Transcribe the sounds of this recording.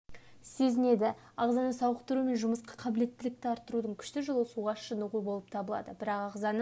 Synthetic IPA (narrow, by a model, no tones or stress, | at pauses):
se̞zɪne̞d̪ɪ | ɑʁzɑnəsɑwəqt̪əɾume̞nʒʊməsqɑ̥qʰɑbɪle̞t̪ːɪlɪk̚t̪ɪɑɾt̪ːəɾud̪əɴkʲʰʏ̥ʃt̪ɪʒʊlˠəsuʁɑʃənəʁubo̞lˠəp̚t̪ʰɑbəlˠɑ̰d̪əbɪɾɑqɑʁzɑnəɴ